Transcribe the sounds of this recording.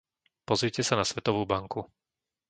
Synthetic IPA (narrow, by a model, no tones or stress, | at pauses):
pɔzɾicɛsanasʋɛt̪ɔʋuːbaŋku